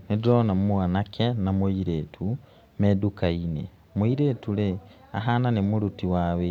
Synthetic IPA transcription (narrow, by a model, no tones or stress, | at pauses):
nedɾonammwanakenamoiɾetʰu | medukainḛ | moiɾetule | a̰ɦananemulutiwaβe